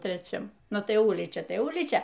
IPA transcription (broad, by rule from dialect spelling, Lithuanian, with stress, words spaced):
tʲrʲɛˈt͡ʃʲɛm ˈnʊ tɐɪ ˈʊlʲiːt͡ʃʲɛ ˈtɐɪ ˈʊlʲiːt͡ʃʲɛ